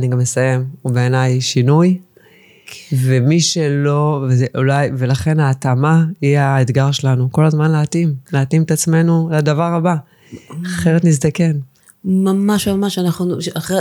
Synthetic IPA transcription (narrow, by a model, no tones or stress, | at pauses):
aniɡamesaje̞mube̞ːnajʃinuj | ve̞miʃe̞lo̞vezeʔulajve̞laχe̞naːt̪amaiaet̪ɡaʁʃelanuko̞lazmanleat̪imleat̪imet̪at͡sme̞nulad̪avaʁaba | aχe̞ʁet̪niz̬d̪ake̞n | mamaʃmamaʃanaχuaχ